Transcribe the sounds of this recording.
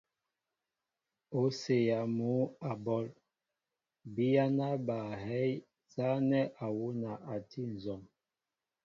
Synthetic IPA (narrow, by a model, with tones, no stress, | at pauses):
o˨˦se˨ja˨mu˨˦a˨bɔ˦l | bi˦ja˦na˦ba˨ɦɛ˦j | za˦nɛ˦ʔa˨wu˦na˨ʔa˨tʰi˦n̩˨zɔ˨m